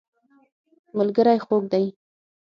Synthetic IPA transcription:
mʊlɡəɾajxok̚d̪aj

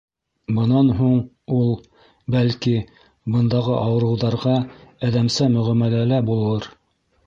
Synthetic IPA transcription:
bɤ̆nɑnɦuɴ | ulˠ | bælki | bɤ̆nd̪ɑʁɤʔɑwɤ̆ɾɤ̆wðɑɾʁɑæðæmsæmɵ̆ʁæmælælæbulˠɤɾ

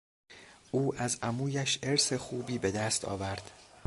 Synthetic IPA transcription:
ʔuːʔæzʔæmuːjæʃe̞ɾsexuːbiːbe̞d̪æst̪ʰɒ̰ːvæɾd̪̥

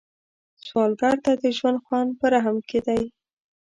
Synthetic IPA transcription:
swɑlɡaɾt̪ad̪əʒwand̪xwɑnpəɾaɦamkʰed̪aj

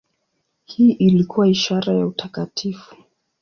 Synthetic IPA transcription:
hiːʔilikuwaiʃaɾajautʰakatʰifu̥

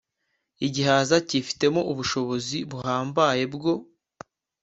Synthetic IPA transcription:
iɟiɦaːzacifi̥te̞mo̞ʔuβuʃo̞βo̞ziβuhɦaːmbaje̞bɡo̞

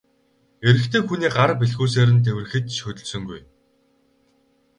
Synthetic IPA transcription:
eɾɘ̆kt̪ʰeːxuniːɢarpiɮxuːs̬eːɾɘ̆nt̪̬ʰewʲɘ̆rɘ̆xɘ̆t̪ʃɵt̪ɵ̆ɮsɵ̆ŋɡuj

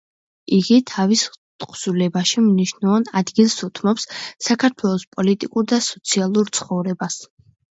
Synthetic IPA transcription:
iɡit̪ʰavist̪ʼqʼz̥ulɛbaʃimniʃnuɔnad̪ɡilˠsut̪ʰmɔpsːakʰaɾt̪ʰwɛlˠɔspʼɔlit̪ʼikʼuɾd̪asɔt̪sʰialˠuɾt̪sʰχɔvɾɛbas

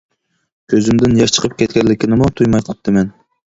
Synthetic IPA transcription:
kʲʰøzymd̪ɪnjɑʃt͡ʃʰə̥qʰəp̚kʲɛt̪̚kʲɛnlːɪkʲinɨmut̪ʰujmɑjt̪ʰə̥p̚t̪ɨmɛn

